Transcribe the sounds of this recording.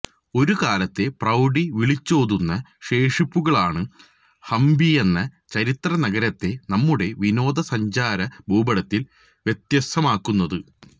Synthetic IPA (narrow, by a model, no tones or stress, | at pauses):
o̞ɾukaːlɐt̪ːe̞prɐwɖiʋiɭit͡ɕːoːðunːɐʂe̞ːʂipːuɣɐɭaːɳɨ | hɐmbie̞nːɐt͡ɕɐɾit̪rɐnɐɡɐɾɐt̪ːe̞nɐmːuɽe̞ʋino̞ːd̪ɐsɐɲd͡ʑaːɾɐbʱuːbɐɽɐt̪ːil | ʋje̞t̪jɐsɐmaːkːunːɐðɨ